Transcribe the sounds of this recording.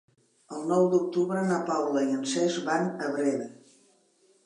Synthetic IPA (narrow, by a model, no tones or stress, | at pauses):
əlˠnɔwd̪uk̚t̪uβɾənapawləiənsɛzβanəβɾeðə